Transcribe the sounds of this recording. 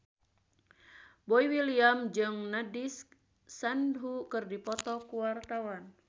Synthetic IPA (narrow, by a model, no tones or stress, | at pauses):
bɔiwiliamd͡ʒɨŋnadisː | andɦukɨrdipɔt̪ɔkuwart̪awan